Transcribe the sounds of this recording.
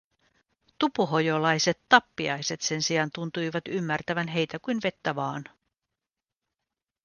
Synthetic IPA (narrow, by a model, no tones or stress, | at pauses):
t̪upuɦo̞jolɑjse̞t̪ːɑpːiɑjse̞t̪se̞nsiɑnt̪unt̪ujʋɑt̪ymːært̪æʋænɦe̞jt̪ækujnʋe̞t̪ːæʋɑːn